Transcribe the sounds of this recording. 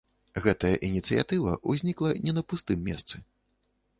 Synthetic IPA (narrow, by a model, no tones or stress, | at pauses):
ɣɛt̪ɐjɐʔinʲit̪sɨja̰t̪ɨvɐ̰ʔuzʲnʲiklˠɐnʲɛnɐpust̪ɨmːʲɛst̪sɨ